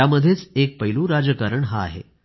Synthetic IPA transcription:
aməd̪ʱːjet͡sek̚pəɦilũːɾad͡zəkaɾəɳɦa̰ːɦḛ

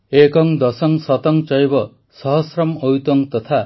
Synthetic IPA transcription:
ekɔŋd̪ɔsɔŋsɔt̪ɔŋt͡ʃʌjbɔ | sʌɦɔsɾɔmojut̪ɔŋt̪ɔt̪ʰa

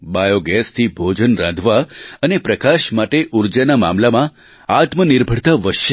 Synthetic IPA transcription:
bajoɡɛst̪ʰibʱod͡ʒənɾãd̪ʱʋaənepɾəkaʃmaʈeʔuɾd͡ʒanama̰mlamã | at̪mənɪɾbʱəɽt̪aʋəʃə

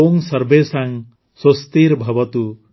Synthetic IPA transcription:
oŋsʌɾbesaŋ | sost̪iɾbʱabɔt̪u

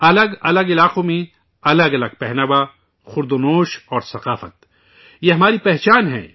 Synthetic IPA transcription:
ɐləɡɐləɡɪlaːqõmẽ | ɐləɡɐləɡ̚pɛɦnəʋa | xʊɾd̪onoːʃɔːɾsɐqaːfə̰t̪̚ | jeɦɐmaːɾipɛɦt͡ʃaːnɦɛ̰̃ː

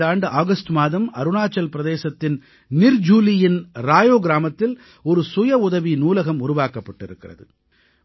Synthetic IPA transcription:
aːɳɖɯʔaːɣɐsʈɯmaːðɐmɐ̰ɾɯnaːt͡ʃːɐlpɪɾɐðeːsɐt̪ːɪn | nɪɾd͡ʒuːlɪjɪnɾaːjoːɡɪɾaːmɐt̪ːɪl | ɔɾɯsʊjɐʊðɐʋinuːlɐɣɐmʊɾʊʋaːkɐpːɐʈːɪɾɯkːɪrɐ̰ðɯ̰

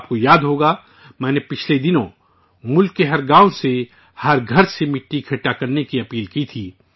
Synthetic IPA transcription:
p̚kojaːd̪ɦoːɡa | mɛ̃ːnepɪt͡ʃʰled̪ɪnõ | mʊlkːeɦɐɾɡãːose | hɐɾɡʱɐɾsemɪʈːikʰɐʈːakɐɾnekiɐpiːlkit̪ʰiː

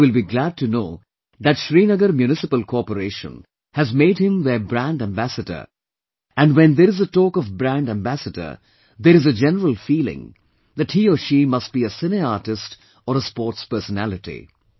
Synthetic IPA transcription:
wɪlbiɡlæd̚ʈʰunoː | ðæʈʃɾiːnəɡəɾmjunɪsɪpəlkʰɔpəɾeːʃə̰̃n | hæzmeːɖhɪ̃mðəbɾæ̃nɖæ̃mbæsədə̰˞ | æ̃nɖwɛ̃nd̪əɾɪzəʈɔːkɔvbɾæ̃nɖæ̃mbæsədə̰˞ | d̪əɾɨzəd͡ʒɛnəɾəlˠfiːlɪ̰̃ŋ | d̪æʈhiːɔʃiːmʌsʈ̚b̥iəsɪneaːʈɪst | ɔɾəspɔːʈspəɾsənælɪʈḭ

